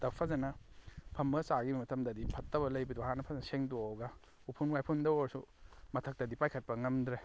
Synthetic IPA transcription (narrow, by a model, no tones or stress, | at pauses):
dɐppʰɐzanɐpʰɐmbɐsaɡimɐtʰɐmdɐdipʰɐtːɐbɐlɐjbɐduhanɐpʰɐzɐnɐseŋdowɡɐ | upʰunwajpʰundɐwɐɾsumɐtʰɐk̚tɐdipajkʰɐt̚pɐŋɐmdɾe